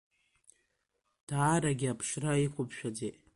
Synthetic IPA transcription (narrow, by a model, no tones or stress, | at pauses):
d̥aːɾaɡʲɪapʰʂraikʷʰʊpʰʃᶣad͡zetʼ